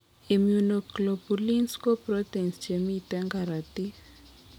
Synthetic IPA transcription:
i˨mjunɔklɔ˨pu˨li˦nsko˦pɾɔ˦t̪ɛ˨nst͡ʃe˨mitɛ˦ŋɡa˨ɾa˨ti˦

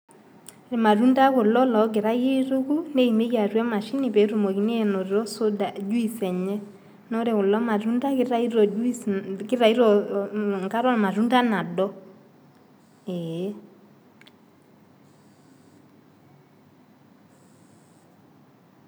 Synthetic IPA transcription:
ɾe˨ma˨ɾu˦nda˦kʊ˨lɔ˦lɔ˨˦ɡ̬ɪ˨ɾa˦je˦to˦ku˦ne˦i˨me˦kja˨rwɛ˦ma˨ʃi˦nɪ˨pɛ˨˦ɾu˨mo˨ki˨˦ne˦˨no˨ɾɾɔ˦so˦da˨d͡ʒu˦i˨sɛ˨ɲɛ˦ | nɔ˦ɾe˨kʊ˨lɔ˦ma˨ɾu˦nda˦kɪ˦ɾa˦i˦ɾɔ˨ | kɪ˦ɾa˨i˦ɾɔ˨ŋka˦ɾɔ˦˨ma˨ɾu˦nda˦na˨dɔ˦ | ɛ˨˦

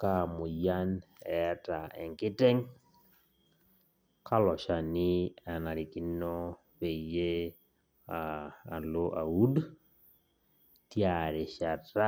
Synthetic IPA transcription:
kamʊ˨ja˦n | ɛ˦ta˨ɛ̰˨ŋkɪ˦tɛ˦ŋ | kʰa˦lɔ˨ʃa˨nɪ˦a˨na˨ɾi˨ki˦nɔ˦ | we˨je˦ | aa˨lo˦ʔa˨u˦d | tjaɾe˨ʃa˨ta˦

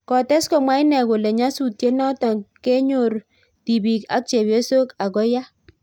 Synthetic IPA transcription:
kɔ˨tɛ˦skɔ˨mwa˦i˦nɛ˨ko˨lɛ˨ɲa˦su˨tje˦nɔ˦tɔ˨ŋke˦ɲo˨ɾ | ti˨bi˨ka̰˦k̚t͡ʃe˨bje˦so˦ka˨ɡɔ˦ja˦

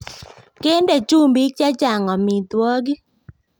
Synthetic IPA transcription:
ke˦nde˨t͡ʃu˦mbi˨˦t͡ʃa˦t͡ʃa˨ŋɔ˨mi˨t̪wɔ˦ɡi˦

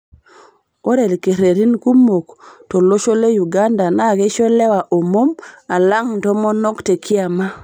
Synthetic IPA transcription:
o˦ɾe˨lke˨ɾe˨ɾi˦nku˦mo˨kto˨lo˦ʃo˦le˦ju˨ɡa˦nda˨na˦˨ɣe˦ʃo˦le˦wa˨ʔo˨mo˦ma˨la˦ŋtɔ˦mo˦nɔ˦kte˨kʰi˦a˨ma˦

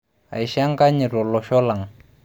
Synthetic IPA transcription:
a̰˨i˨ʃa˦ŋka˦ɲi˨ɾɔ˨lɔ˨ʃɔ˦la˨ŋ

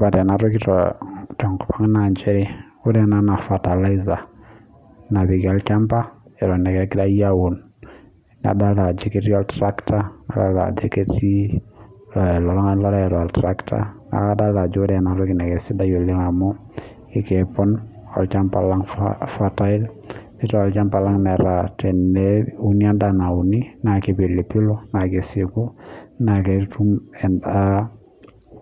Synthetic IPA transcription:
ba˨tɛ˨na˨ɾɔ˦ki˦tɔtɔ˨ŋkɔ̥˨pa˦ŋ˦na˨nt͡ʃɛ˦ɾi˦ | u˦dɛ˦na˦na˨fa˨ta˨la˦i˦za˨ | na˨bi˨ki˨ɔ˨˦lt͡ʃa˦mpa˦ɛ˨ɾɔ˨nɛ˨kɛ˨ki˦da˦ja˦wu˨n | na̰˨da˦lla˨d͡ʒe˦ke˦ti˦ɔ˦ltɾa˦kta˦na̰˦da̰˦lla̰˨d͡ʒe˦ke˦ti˦ | llɔ˨lŋ˦lɔ˦ɾa˦ɛ˨ɾɔ˨a˨ltɾa˦kta̰˦na̰˨ka˦da˦la˨d͡ʒo˦dɛ˨na˨ɾɔ˦ki˨nɛ˨kɛ˨si˦da˦jole˦ŋa˨mɔ˦ | i˨kɛpɔ˦n | ɔ̰˨lt͡ʃa˦mpa̰laŋfata˦i˦l | ni˦tɔɔlt͡ʃa˦mpa˨la˦ŋnɛ˨ɾa˨tɛ˨nɛu˦ni˦a˦ndana˨u˨ni˦na˨ke˨pe˨le˨pi˦lo˦na˨ke˨si˨ku˦naketu˦mɛ˨na˦

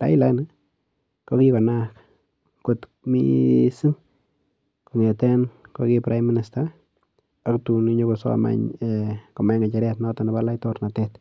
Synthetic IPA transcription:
ta̰˦ɪ˦la˦n | ko˦kikɔ˨nak | ko˨t | mḭsi˦ŋ | ko˨ŋɛ˨tɛ˦nkokipɾʔajmi˦nɪsta | a˦ktu˨niɲo˦koso̰˦a̰ma̰ɲɛkɔ˨ma˨jŋa˨t͡ʃɾɛtnɔ˦tɔ˨nɪ˨balajtɔɾna˨tɛt

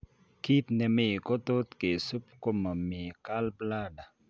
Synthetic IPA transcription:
ki˦t̪nɛ˨me˨kɔ˦t̪o˦t̪ke˨su˦pko˦ma˨mi˨ka˦lpla˦da˨

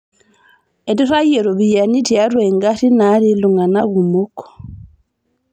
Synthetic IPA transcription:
e˨ti˦ra˦je˨ɾo˨βija˨ni˦tja˦ɾweŋɡati˦na˦ɾi˦luŋa˨na˦ɣu˨muko̥

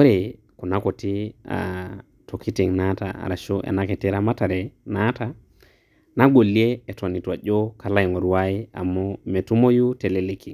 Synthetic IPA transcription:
o˦ɾe˨ | ku˨na˦ko˨ti˦a̰˨ | to˨ki˦ti˨ŋna˦ta̰˨a̰˨ɾa˨ʃo˦ʔḛ˨na˦ke˨ti˦ɾa˦ma˦ta˨ɾe˨na˦ta˨ | na˦ɡo˨lːi˦e˦e˨to˨ni˨twa˨ɟo˦ka˨la˦i˨ŋo˨ɾu˨wa˦i˦a̰˨mo˦me˨tu˦mo˦ju˦te˨le˦le˨ki˨ŋ

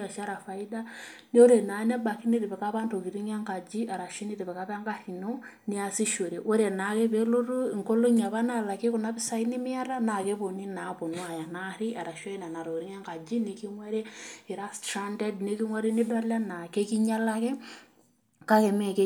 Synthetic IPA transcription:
a˨ʃa˦ɾa˨fa˨i˦da˦ni˦o˦ɾe˨na˨na˦ba˨ki˦ni˦ɾe˨pɛ˨ka˦βa˦nto˨ki˨ɾi˦ŋɛ˦ŋka˨d͡ʒi˦a˨ɾa˨ʃi˦ni˦ɾe˨βɛ˨ka˦pa˦ŋɡa˦hi˨no˦ni˦a˨si˦ʃo˨ɾe˨ʔo˦ɾe˨na˨ke˦βe˦lo˦ɾu˦i˨ŋko˦lo˦ɲa˨βa˦na˦˨la˨ke˦ku˨na˦pɪ˦sa˦i˦ni˦mɪ˦a˦ɾa˦na˨ke˦βo˨ni˦na˨˦po˨nwa˨ja˨na˦ɾi˦a˨ɾa˨ʃa˦i˦na˨na˨ɾo˨ɾi˦ŋɛ˦ŋka˨d͡ʒi˦ni˨ki˦ŋwɛ˦ɾe˦i˨ɾa˦sta˦ndɛ˦dne˦ki˦ŋwa˦ɾe˦ni˦da˦la˦na˨ke˦ki˦ɲa˦la˦kɛ˦ | ka˦ke˨me˨ke˦

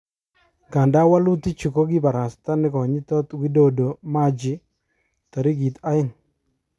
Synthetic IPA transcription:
ɡa˨nda˦wa˦lʊ˦t̪i˦t͡ʃu˨ko˦ɡɪ˦ba˨ɾa˨st̪a˦nɪ˦kɔ˨ɲɪ˦t̪ɔ˦t̪wi˦do˦do˨ma˦d͡ʒɪ˦ | t̪a˨ɾi˦ɡi˨t̪a˦ɪ˦ŋ

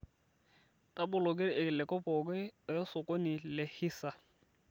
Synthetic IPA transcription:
tʼa˦bʊ˨lʊ˨kɪ˦ɾɪ˨ʔɪ˨lɪ˨kɔ˦pʼɔ˨kwɛ˦˨jɔ˦sʊ˨kʼɔ˦nɪ˨lɪ˨hi˦sa˨

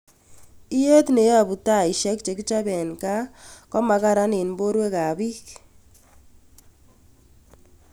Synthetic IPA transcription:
i˦je˦tne˨a˨bu˨ta˦˨i˨ʃɛ˦k̚t͡ʃe˨ki˦t͡ʃa˦bɛ˨nka˦kɔ˦ma˨ka˦ɾa˦ni˨nbo˦ɾwe˦ka˨bi˦k

